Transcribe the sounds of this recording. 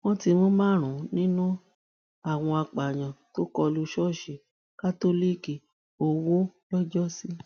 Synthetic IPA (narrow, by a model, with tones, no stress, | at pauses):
wɔ̃˦ti˧mõ˦mãː˦˨ɾ̃ũ˨˦nĩ˦nũ˦ | a˦˨w̃ɔ̃˧a˧k͡pa˨ɲ̃ã˨to˦kɔ˧lu˧ʃɔ˦˨ʃe˨˦ | ka˦to˦li˦˨ki˨ | o˧wo˦lɔ˦d͡ʒɔ˦si˦